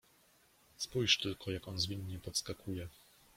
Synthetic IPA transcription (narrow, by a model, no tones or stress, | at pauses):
spujʂt̪ɘlkʰɔjakɔnzvʲiɲːɛpɔt̪skakʰujɛ